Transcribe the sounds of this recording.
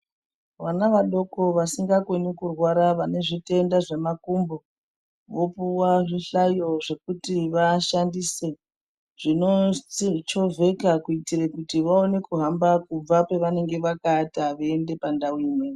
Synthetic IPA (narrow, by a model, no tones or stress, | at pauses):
ʋanaʋaɗo̞ko̞ʋasiŋɡakwenikurwaɾaʋane̞ʐite̞ndaʐe̞makumbo̞ | ʋo̞puwaʐiɬajo̞ʐe̞kutiʋaʃandise̞ | ʐ̥ino̞t͡ʃo̞vʱe̞kakuitirekutiʋaone̞kuɦambakub͡vape̞ʋane̞ŋɡe̞ʋakataʋeːnde̞pandauiːmwe